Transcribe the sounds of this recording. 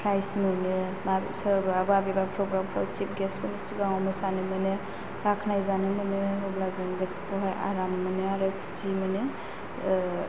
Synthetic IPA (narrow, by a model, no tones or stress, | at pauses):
pʰɾajsmɯnemasəɾbababibapʰɾɔɡɾampʰɾa̰wsip̚ɡesmɔnesuɡaŋɔmɯsanemɯne | ɾakʰnajzanemɯneɔblazeŋɡɯskʰɔɦaja̰ɾamːɯneaɾɯkʰu̥sʰimɯne